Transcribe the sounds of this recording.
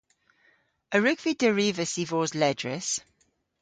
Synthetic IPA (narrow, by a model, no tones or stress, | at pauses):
əɹʉkv̥idəɹiːvəsivɔːzlɛdɹəs